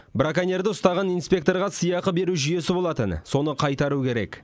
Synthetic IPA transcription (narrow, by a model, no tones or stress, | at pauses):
bɾakanʲe̞rd̪ɪʊst̪ɑʁɑnijnspʲe̞k̚t̪o̞rʁɑsəjɑqəbe̞ɾuʒʏje̞sɪbo̞lˠɑt̪ənso̞nəqʰɑjt̪ɑɾukʲʰe̞ɾe̞̰k